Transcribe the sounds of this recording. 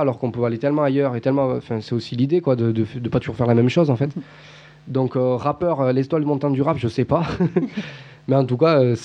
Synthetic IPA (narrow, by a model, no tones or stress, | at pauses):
alɔʁkɔ̃pøalet̪ɛlmɑ̃ajœʁet̪ɛlmɑ̃ɑ̃fɛ̃sɛosilid̪ekwad̪əd̪əfd̪əpat̪uʒuʁfɛʁlamɛmʃɔzɑ̃fɛt̪ | d̪ɔ̃køʁapœʁølɛzt̪wald̪əmɔ̃t̪ɑ̃d̪yʁapʒəsɛpa | mɛɑ̃t̪ukaøs